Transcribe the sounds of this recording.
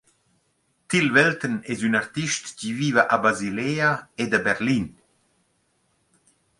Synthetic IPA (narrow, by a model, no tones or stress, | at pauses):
t̪ilvɛlt̪ənɛzynaɾt̪iʃt̪civiːvaʔabazileːaed̪abɛɾlin